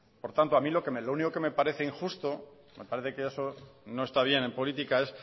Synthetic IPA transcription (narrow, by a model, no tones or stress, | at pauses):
po̞ɾt̪ant̪oamilo̞kemelouniko̞ke̞me̞paɾe̞θe̞iŋxust̪o̞ | me̞paɾe̞θe̞keesono̞e̞st̪aβ̞je̞ne̞mpo̞lit̪ikae̞s